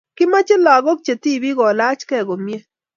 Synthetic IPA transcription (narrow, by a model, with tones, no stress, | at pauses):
kɪ˦ma˦t͡ʃɪ˦la˨ɡɔ˦k̚t͡ʃe˨t̪i˦bi˦ɡɔ˨la˦t͡ʃkɛ˦˨ɡo˨mje˦